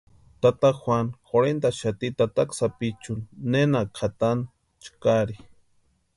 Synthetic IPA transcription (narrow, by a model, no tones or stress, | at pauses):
t̪at̪axwʷanxoɾend̪aʃat̪it̪at̪aksapit͡ʃunːenakʰat̪an | t͡ʃkaɾi